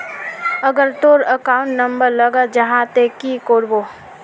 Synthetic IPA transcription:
əɡəɾt̪oɾəkaːʊ̃ɳʈnɐmbəɾlɐɡəd͡ʒɐɦãt̪ekikoːɾboː

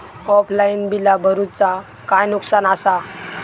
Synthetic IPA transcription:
ɔpʰlainbilabʱəɾut͡sa | kajnuksanasa

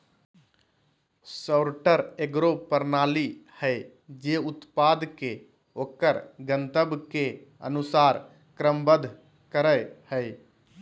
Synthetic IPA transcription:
səːɾʈəɾeɡɾopəɾnaːlihəe | d͡ʒeːʊt̪paːd̪ke | oːkəɾɡənt̪əbkeə̰nʊsaːɾ | kɾəmbəd̪ʱ | kəɾəjhəe

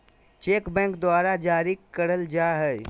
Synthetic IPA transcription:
t͡ʃeːkbɛ̃ːŋkd̪ʊaːɾad͡ʒaːɾikəɾəld͡ʒaːɦɛ

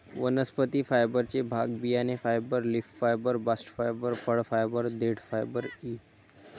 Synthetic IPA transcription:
ʋənəspət̪ifʰaːɪbəɾt͡ʃebʱaːɡbijanefʰaːɪbəɾlɪfʈfaːɪbəɾbasʈfʰaːɪbəɾfʰəɽfʰaːɪbəɾd̪eːʈfʰaːɪbəɾiː

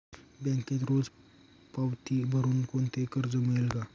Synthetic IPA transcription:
bjɛ̃ŋket̪ɾod͡z | pawt̪iːbʱəɾuːnkont̪ekəɾd͡zəmielɡa

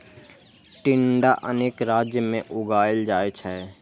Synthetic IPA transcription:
ʈɪɳɖaʔəneːkɾaːd͡ʒjəmẽʔʊɡaːjɪld͡ʒaːet͡ʃʰɛ

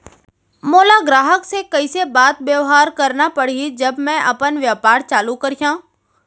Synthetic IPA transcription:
moːlaɡɾaːɦəksekɐisebaːt̪bjeʋɦaːɾkɐɾnapɐɽ̤id͡ʒɐbmɛ̃ʔɐpənʋjəːpaːɾt͡ʃaːlukɐɾijãː

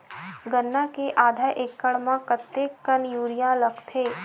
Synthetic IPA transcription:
ɡənːakeʔaːd̪ʱaːɾʔeːkːəɽmãkət̪ːekːənjuːɾijaləkt̪ʰeː

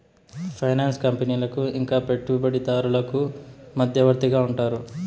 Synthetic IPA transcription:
pʰɐjnaːnskɐmpeniːlɐkuiŋkaːpe̞ʈːubɐɽit̪aːɾulɐkumɐd̪ʱjɐʋɐɾt̪iɡaːuɳʈaːɾu

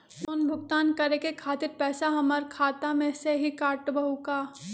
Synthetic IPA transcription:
koːnbʱʊɡt̪aːnkɐɾekekʰaːt̪ɪɾpɛːsaɦɐməɾkʰaːt̪amẽseɦikaːʈbɐɦukaː

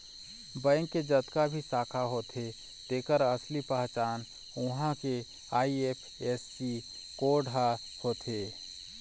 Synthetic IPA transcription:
bə̃ːŋkːed͡ʒət̪kabʱisaːkʰaɦoːt̪ʰe | t̪eːkəɾəslipaɦt͡ʃaːn | ʊɦãke | aːieːpʰeːssi | koːɖʱɦa | hoːt̪ʰeː

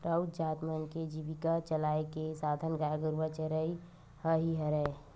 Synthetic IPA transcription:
pɾaut̪d͡ʒaːt̪mənked͡ʒiʋikat͡ʃəlaekesad̪ʱənɡajɡəɾʋət͡ʃəɾəi | həɦiɦəɾɛ

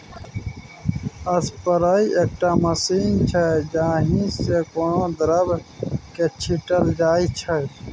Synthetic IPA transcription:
əspəɾaːiʔeːk̚ʈaməsiːnt͡ʃʰəd͡ʒãːɦĩsekoːnõːd̪ɾəbket͡ʃʰiʈəld͡ʒaːit͡ʃʰə

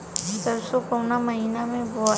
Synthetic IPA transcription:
səɾsokownamɐɦinamẽbɔ

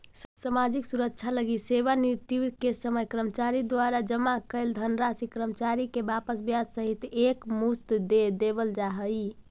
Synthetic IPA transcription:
səsamad͡ʒiksuɾək̚t͡ʃʰaləɡiseβaniɾt̪ikesəməjkɾəmət͡ʃaɾid̪waɾad͡ʒəmakəɪld̪ʱənɾasikɾəmət͡ʃaɾikebapəsbjad͡ʒsəɦit̪ekmust̪d̪ed̪ebəld͡ʒaɦəj

